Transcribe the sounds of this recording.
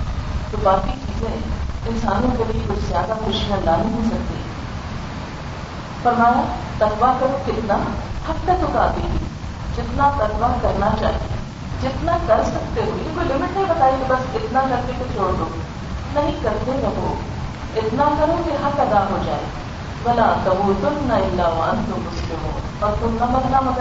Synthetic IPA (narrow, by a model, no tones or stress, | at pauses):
t̪obaːkit͡ʃiːzẽɪnsaːnõkeliikʊd͡ʒzjaːd̪axoːʃiɦanaɦĩɦisɐk̚t̪ḭː | pɐɾmãː | t̪ɐkʋakɐɾũkɪt̪nahɐkːət̪ʊkã̰ːd̪ili | d͡ʒɪt̪nat̪ɐkʋakɐɾnat͡ʃa̰ːɦiḛ | d͡ʒɪt̪nakɐɾsɐk̚t̪eɦuikulɪmɪʈebɐt̪aːit̪ibɐskɪt̪nakɐɾt̪ek̪et͡ʃoːɽd̪o | nɐɦĩkɐɾt̪elɐboː | ɪt̪nakɐɾũkiɦɐt̪ɐɡ̪aɦod͡ʒa̰ːe | bɐlat̪ɐboːt̪ʊnnaɪlːaːʋa̰nt̪umʊslemo | ɔːɾt̪ʊk̪ɐmɐnnamɐt̪